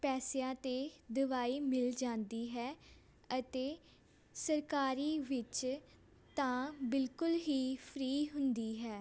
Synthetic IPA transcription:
pɛːsjãːt̪eːd̪əʋaːiːmɪld͡ʒãːnd̪iːɦɛː | ət̪eː | səɾkaːɾiːʋɪt͡ʃ | t̪ãːbɪlkʊlɦiːpʰɾiːɦʊ̃nd̪iːɦɛː

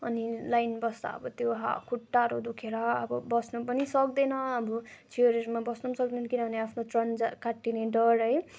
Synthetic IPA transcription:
ʌnilajnbʌsd̪a̰ʌ̰bʌt̪joɦa̰kʰuʈːaɾod̪ukʰeɾʌʌbʌbʌsnupʌnisʌk̚d̪enʌːbʌt͡ʃʰioɾeɾmabʌsnusʌkd̪enkinʌbʱʌneapʰnotrʌnd͡zakaʈːineɖʌɾɦʌj

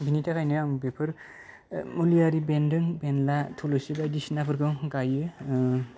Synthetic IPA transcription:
bʱinitʰakʰajnɯambepʰɯɾ | mulijaɾibendɯŋbenlatʰolɯsibajdisnapʰɯɾkɯwɡajɯ

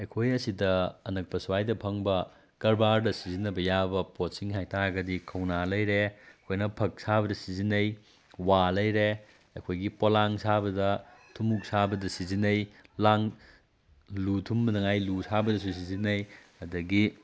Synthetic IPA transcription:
ekʰojɐsidɐːnɐk̚pɐsuwajdɐpʰɐŋbɐ | kɐɾbaɾdɐsizinɐbɐjabɐpotsiŋhajtaɡɐdikʰɐwnalɐjɾekʰojnɐpʰɐk̚sabɐdɐsizinɐj | walɐjɾe | ɐkʰojɡipolaŋsabɐdɐtʰumuk̚sabɐdɐsizinɐjlaŋ | lutʰumbɐnɐŋajlusabɐdɐs̬us̬izinɐj | ɐdɐɡi

